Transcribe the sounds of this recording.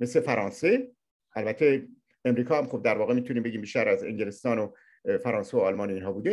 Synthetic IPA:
me̞sle̞fæɾɒːnse̞ | ʔælbæt̪ʰːe̞ | emɾiːkʰɒːhæmxob̚d̪æɾvɒːɣe̞miːt̪ʰuniːmbe̞ɟʲiːmbiːʃt̪æɾæze̞̰ŋɟe̞lest̪ɒːno | fæɾɒːnsevoɒːlmɒːneiːnɦɒːbuːd̪e

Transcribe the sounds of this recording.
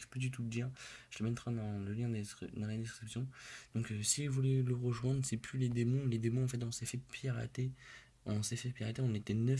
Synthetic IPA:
fø̥pad̪yt̪̬uləd̪iːʁʒə̥t̪əmɛnt̪χɛ̃d̪ɑ̃ləljɛ̃d̪d̪ɑ̃lad̪ɛskχipsjɔ̃d̪̥ɔ̃ksiɛlvulɛləʁəʒwɛ̃d̪ʁəsɛplyled̪emɔ̃led̪emɔ̃ɑ̃fɛt̪ɔ̃sɛfɛpʰʁa̰t̪e | ɔ̃sɛfɛpiʁat̪eɔ̃net̪ɛnœ

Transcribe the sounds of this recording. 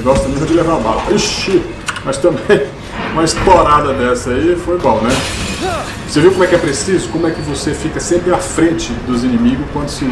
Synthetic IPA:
ɡɔst̪ɐmẽmɐd͡ʒɪlevaba̰hɐiʃi | mɐst̪ɐ̃mbẽj̃ | ũmɐiʃt̪oɾad̪ɐd̪ɛsɐifojbõw̃nɛ | osevewkomɛkɛpɾesizʊkõmʊɛkɪvosefikɐsẽmpɾɪafɾẽt͡ʃɪd̪ʊzinĩmiɡʊskwɐ̃nd̪ʊsɪ

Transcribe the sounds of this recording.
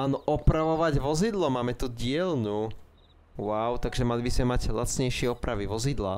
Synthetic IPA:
aːnɔʔɔpɾaʋɔʋaɟʋɔzid̪lɔmaːmɛt̪uɟɪɛlnuː | waʊt̪aɡʒɛmalibizmɛmaɟla̰t͡sɲɛjʃɪɛɔpɾaʋiʋɔzid̪la̰

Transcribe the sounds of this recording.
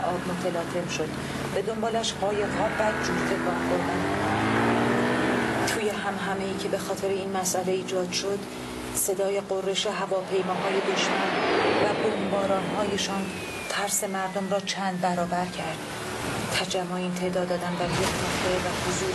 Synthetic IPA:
ʔɒːbmot̪ʰelɒːt̪ʰe̞bʃo̞d̪̥ | be̞d̪o̞mbɒːlæʃɢɒːjeɣɦɒːbæd͡ʒuːɾt̪ʰe̞kʰɒːhxoɾd̪ænd̪ | t̪ʰuːje̞ɦæmɦæme̞iːcʰe̞be̞xɒːt̪ʰe̞ɾeiːnmæsʔæle̞iːd͡ʒɒːd̪̥ʃo̞d̪ | se̞d̪ɒːje̞ɢorːe̞ʃeɦævɒːpʰe̞jmɒːɦɒːje̞beʃt̪æɾvæbombɒːɾɒːnɦɒːje̞ʃɒːn | t̪ʰæɾse̞mæɾd̪omɾɒːt͡ʃʰænd̪̚bæɾɒːbæɾcʰæɾd̪̥ | t̪ʰæd͡ʒæmːoeiːnt̪ʰe̞ʔd̪ɒːd̪ɒːd̪ænd̪bæɾjekʰnoxt̪evæhozuːɾ

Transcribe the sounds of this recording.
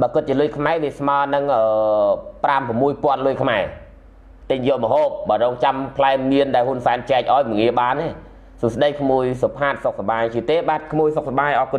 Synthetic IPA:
ɓaːkɨt̪̚t͡ɕiəlʊjkʰmaɛʋiəsmaənɨŋʔəːprampramːuəjpŏənlʊjkʰmaɛ | t̪ɨɲjɔːlməɦoːp̚ɓaːrɔːŋt͡ɕampʰlaɛŋmiənɗaɛlɦuənsaɛnt͡ɕɛɛk̚ʔaɔjməŋiəɓaːneː | sosɗəjkʰmuəjsopʰaːt̪̚sok̚saɓaːjt͡ɕiət̪eːɓaːt̪̚kʰmuəjsok̚saɓaːjʔɑːku

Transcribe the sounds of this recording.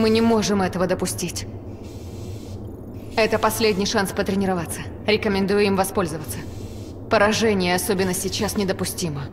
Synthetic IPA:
mɨnʲɪmo̞ʐɨmɛt̪əvəd̪əpʊsʲtʲitʲ | ɛt̪əpɐsʲlʲedʲnʲɪjʂanspət̪ɾʲɪnʲɪɾɐvat̪sːə | ɾʲɪkəmʲɪnd̪ujʊimvɐspo̞lʲzəvət̪sə̥ | pəɾɐʐɛnʲɪjəɐso̞bʲɪnːəsʲɪt͡ɕːasnʲɪd̪əpʊsʲtʲimə

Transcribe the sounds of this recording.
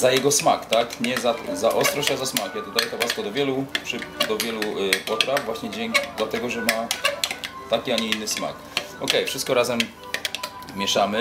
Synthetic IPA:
zajɛɡɔsmakt̪akɲɛzazaʔɔst̪ɾɔɕt͡ɕazasmakjɛt̪ɔd̪ajɛkavwaskɔd̪ɔvʲjɛlupʂɘd̪ɔvʲjɛlupɔt̪ɾavvwaɕɲɛd͡ʑɛŋkd̪lat̪ɛɡɔʐɛma | t̪akʲiaɲiinːɘsma̰k | ɔkɛjfʂɘst̪kɔɾazɛm | mʲjɛʂamɘ

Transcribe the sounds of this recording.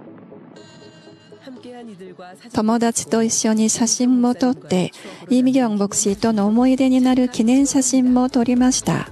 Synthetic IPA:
t̪o̞mo̞d̪at͡ɕi̥t̪o̞iɕːo̞ɲ̟iɕaɕĩmːo̞t̪o̞t̪ːe̞imʲiɡʲõ̞ŋbo̞kɯ̟̥ɕit̪o̞no̞ːmo̞id̪e̞ɲ̟inaɾɯ̟kʲinẽ̞ɰ̃ɕaɕĩmːo̞t̪o̞ɾʲimaɕi̥t̪a̰

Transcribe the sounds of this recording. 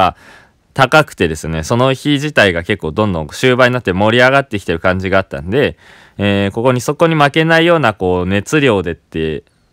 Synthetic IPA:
a | t̪akakɯ̟̥t̪e̞d̪e̞sɨne̞so̞no̞çiʑit̪aiɡake̞kːo̞ːd̪õ̞nd̪õ̞ŋɕɨːbaɲ̟inat̪ːmo̞ɾʲiaɣat̪ːekʲi̥t̪e̞ɾɯ̟kãɲ̟d͡ʑiɡaːt̪ːã̰nd̪e̞ | eːko̞ko̞ɲ̟iso̞ko̞ɲ̟imake̞naijo̞ːnako̞ːne̞t͡sɨɾʲo̞ːd̪e̞t̪ːe̞

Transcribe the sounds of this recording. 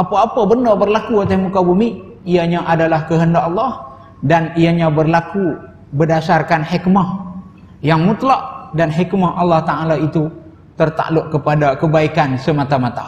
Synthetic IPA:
ʔapaːpabəndabərlakuat̪ehmukabumi | ijaɲaʔadalahkəɦəndaʔɑlˠːɑh | danijaɲabərlaku | bədasarkanhikmah | jaŋmut̪laʔdanɦikmahʔɑlːɑht̪aalait̪u | t̪ərt̪a̰ʔlʊʔkəpadakəbaikansəmat̪amat̪a

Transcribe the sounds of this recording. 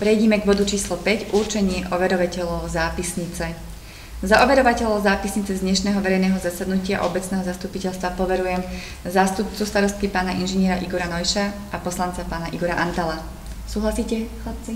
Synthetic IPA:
pɾɛjɟɛmɛɡbɔd̪ut͡ʃiːslɔpɛɟuɾt͡ʃɛɲɪɛʔɔʋɛɾɔʋacɛʎɔʊzaːpisɲit͡sɛ | zaʔɔʋɛɾɔʋacɛʎɔʊzaːpisɲit͡sɛzd̪ɲɛʃnɛːɦɔʋɛɾɛjnɛːɦɔzasad̪nucɪa̰ʔɔ̰bɛt͡snɛːɦɔzast̪upicɛlst̪ʋapɔʋɛɾujɛm | zaːst̪up̚t͡sust̪aɾɔst̪̚kipaːnaʔinʒɛɲɪɛɾaʔiɡɔɾanɔjʃaʔapɔslant͡sapaːnaʔiɡɔɾaʔant̪ala | suːɦlasiːcɛ

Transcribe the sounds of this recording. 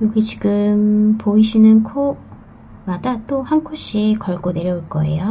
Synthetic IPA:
joɡit͡ɕiɡɯmpoiɕʰinɯnkʰo | madat͈ohankʰoɕ͈iekʌɭɡone̞ɾjʌuɭk͈ʌ̰e̞̰jo

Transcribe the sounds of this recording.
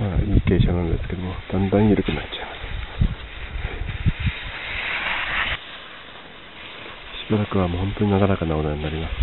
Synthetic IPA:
maɲʲike̞ːɕonãnod̪esɨ̥ke̞d̪o̞mo̞d̪̥ãnd̪ãɰiɾɯkɯ̟natt͡ɕḁemasɨ̥ | ɕibaɾakɯ̟βamoːhõ̞nt̪o̞ɲ̟inaɡanakanao̞naɲ̟inaɾʲimasɨ̥

